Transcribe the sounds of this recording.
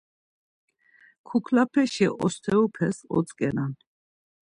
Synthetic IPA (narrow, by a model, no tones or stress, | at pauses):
kʰukʰlapʰɛʃiʔɔst̪ʰɛupʰɛsɔ̰t͡s̪ʼkʼɛnan